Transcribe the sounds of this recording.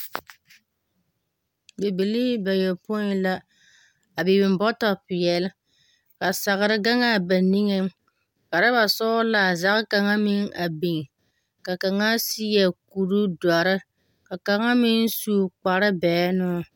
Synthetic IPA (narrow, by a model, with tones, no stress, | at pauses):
be˨be˨li˦ba˨jɛ˨pʊ˦la˦ | a˨bɪ˨bɪ˨mbɔ˦ta˨pɪ˨jɛ˨lɪ˦ | ka˨sa˨ɣɪ˨ɾɨ˦ɡa˦ŋa˦˨ba˨ni˦ŋe˦m | ka˨ɾa˦ba˨sɔ˦la˨za˦ʔɨ˦ka˨ŋa˦mɪ˦ŋa˨bi˨ŋ˨ | ka˨ka˨ŋa˦si˦jɛ˨ku˨ɾu˦da˨ɾɨ˦ | ka˨ka˨ŋa˦mɪ˦n˦su˦˨k͡pa˨ɾɨ˦bɛː˨˦nʊ˦˨